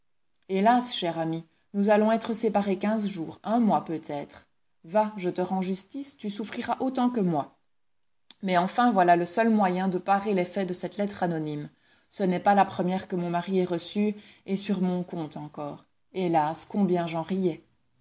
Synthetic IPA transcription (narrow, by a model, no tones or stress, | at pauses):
elasʃɛʁami | nuzalɔ̃ɛt̪χəsepaʁekʲɛ̃zʒuːʁɛ̃mwapøt̪ʰɛːt̪χ | vaʒət̪əʁɑ̃ʒyst̪ist̪ysufχiʁaʔot̪ɑ̃kəmwa | mɛɑ̃fɛ̃vwalaləsəlmwajɛ̃d̪əpaʁelɛfɛd̪əsɛt̪lɛt̪χanɔnim | sənɛpalapχəmjɛʁkəmɔ̃maʁiɛʁəsyesyʁmɔ̃kɔ̃t̪ɑ̃kɔ̰ːʁ | elaskɔ̃bjɛ̃ʒɑ̃ʁijɛ